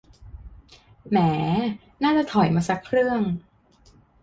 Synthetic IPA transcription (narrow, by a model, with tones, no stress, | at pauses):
mɛː˩˦ | naː˥˩t͡ɕa˨˩t̪ʰɔ˨˩˦jmaː˧sa˧˦˥kʰɾɯ˥˩əŋ